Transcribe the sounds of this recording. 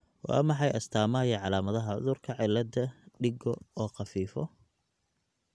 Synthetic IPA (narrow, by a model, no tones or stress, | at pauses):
wɑ̰ːmɑħɑjʔɐst̪ʰaːmɐːjɐʕɑlaːmɐðɐɦɐʕʊ̰ðʊrkʰɐʕɪlːɐd̪ɐɖɪɡɔɔːqɑfiːfɔ